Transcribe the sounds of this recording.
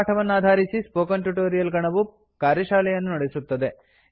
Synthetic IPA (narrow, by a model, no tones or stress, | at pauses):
ʈʰɐʋɐnːaːd̪ʱaːɾisispoːkɐnʈjuʈoːɾijɐlɡɐɳɐʋu | kaːɾjɐʃaːlɐjɐnːunɐɽesut̪ːɐd̪e̞